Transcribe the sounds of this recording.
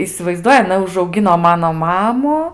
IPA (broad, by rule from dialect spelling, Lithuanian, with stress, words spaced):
ɪsʲɪʋɐɪzˈduɔjɪ ɐˈnɐ ʊʒɐʊˈɡʲɪnoː ˈmɑːnoː ˈmɑːmʊ